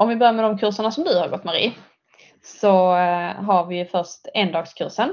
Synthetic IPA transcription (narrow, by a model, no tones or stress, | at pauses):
ɔmvɪbœɾjaɾmɛd̪ɔmkʰɵʂəɳasɔmd̪ɵhaɾɡɔt̪ːmɛɾɪ̰ | ssɔɦaɾvɪfœʂtɛnd̪ɑːɡskʰɵ̰ɾʂən